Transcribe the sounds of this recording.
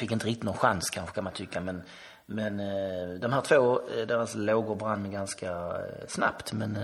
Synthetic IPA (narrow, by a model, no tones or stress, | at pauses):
fɪkːɪnt̪əɾɪkt̪ɪt̪nɔnɧa̰nskʰanɧə̥kʰanmant̪ʰʏkːamɛn | mɛnd̪ɔmhæːʈ̪ʰvoːd̪eːɾasloːɡʊɾbɾanːmɛɡanskasna̰pt̪mɛn